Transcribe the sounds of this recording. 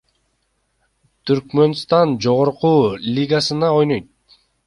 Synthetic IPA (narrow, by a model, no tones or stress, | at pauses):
t̪ʰyɾkmø̞nst̪ɑnd͡ʒo̞ʁoɾqulʲiɡasɯnɑo̞jnojt̪̚